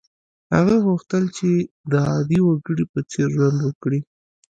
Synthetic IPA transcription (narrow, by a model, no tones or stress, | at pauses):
ha̰ɣaɣuxt̪əlt͡ʃe | d̪əɑd̪iwaɡəɽipət͡seɾʒwand̪wəkɽi